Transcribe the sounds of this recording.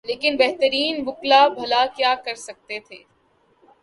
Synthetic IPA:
leːkɪnbɛɦt̪əɾiːnbʊklabʱɐlakjaːkɐɾsɐk̚t̪et̪ʰeː

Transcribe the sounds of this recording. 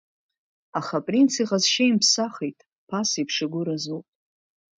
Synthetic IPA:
aχapʼrint͡sʰiʁazʃajmpʰsaχejtʼ | pʰasipʰʂɨɡʷʊɾazupʼ

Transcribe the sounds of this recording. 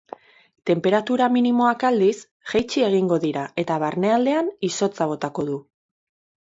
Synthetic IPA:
t̪e̞mpe̞ɾat̪uɾaminimo̞akald̪is | ʝejt͡ʃie̞ɣ̞iŋɡo̞ðiɾae̞t̪aβaɾne̞ald̪e̞aniso̞t͡saβ̞o̞t̪ako̞ð̞u

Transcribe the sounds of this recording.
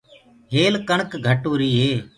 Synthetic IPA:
ɦeːlkəɳkɡʱəʈuːɾiːɦeː

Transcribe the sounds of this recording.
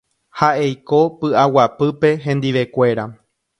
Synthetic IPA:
haʔe̞jko̞pɨʔawapɨpe̞ɦẽ̞nd̪iʋe̞kʷe̞ɾa

